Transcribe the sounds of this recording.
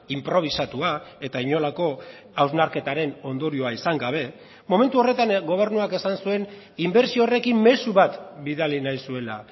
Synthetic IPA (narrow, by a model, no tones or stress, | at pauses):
impɾo̞β̞isat̪uae̞t̪aiɲo̞lako̞ | awznaɾke̞t̪aɾe̞no̞nd̪o̞ɾio̞aisaŋɡaβ̞e̞ | mo̞me̞nt̪uo̞re̞t̪anɡo̞β̞e̞ɾnuake̞sansue̞n | imbe̞ɾsiore̞kimme̞suβat̪biðalinajsue̞la̰